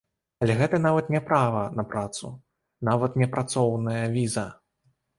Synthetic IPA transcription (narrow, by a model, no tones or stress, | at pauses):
ɐlʲɛɣɛt̪ɐnavɐt̪nʲɛpɾavɐnɐpɾat̪sṵ | navɐt̪nʲɛpɾʔat̪sɔwnɐjɐvʲizɐ